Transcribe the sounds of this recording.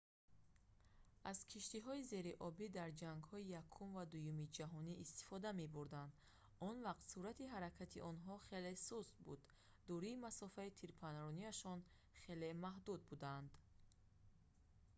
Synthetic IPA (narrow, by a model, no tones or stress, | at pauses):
ʔaz̥kʰiʃt̪iɦɔize̞ɾiʔɔbid̪aɾd͡ʒaŋɡhɔijakʰumvad̪ujumid͡ʒaɦɔniːst̪i̥fɔd̪ame̞buɾd̪and̪ | ɔnvaqt̪suɾat̪ʰiɦaɾakʰat̪ʰiʔɔnɦɔχe̞lesuzt̪̚bṵd̪ː | ɔɾiːmasɔfait̪ʰiɾpʰanɾɔniaʃɔn | χe̞le̞maɦd̪ud̪̚bud̪and̪